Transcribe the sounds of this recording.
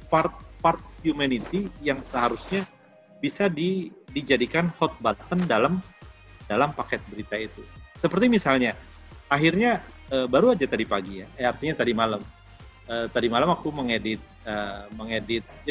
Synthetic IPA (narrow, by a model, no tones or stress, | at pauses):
part̪̚part̪̚hjumanit̪ijaŋsəɦaɾusɲa | bisadidid͡ʒadikanhɔt̪̚bat̪əndalam | dalampakɛt̪̚bəɾit̪ait̪usəpərt̪imisalɲa | aɦirɲaəbaɾuad͡ʒat̪adipaɡija̰art̪iɲat̪adimalam | əːt̪adimalamakuməŋedɪt̪̚əməŋedɪt̪̚d͡ʒ